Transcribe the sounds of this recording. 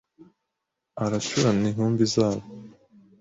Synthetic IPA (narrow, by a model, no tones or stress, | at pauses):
aɾat͡ʃuɾaniɦuːmbizaːβo